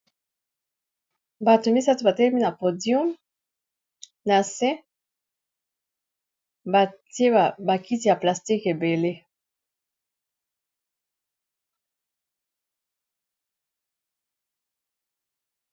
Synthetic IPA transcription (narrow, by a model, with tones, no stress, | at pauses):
ba˨to˨mi˦sa˦tu˨ba˨tɛ˦lɛ˦mi˦na˨po˨djɔ˦m | na˨sɛ̃˦ | a˨tje˦ba˨ki˦t̬i˨ja˨pla˨sti˦ke˨be˨le˦